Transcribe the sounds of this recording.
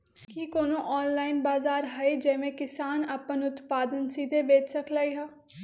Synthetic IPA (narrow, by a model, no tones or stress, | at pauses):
kiːkoːnõːʔɔːnlaːɪnbaːzaːɾɦəed͡ʒɛːʋẽːkɪsaːnapːənʊt̪paːd̪ənsiːd̪eːbeːt͡ʃʰsəkʰlaːiːɦaː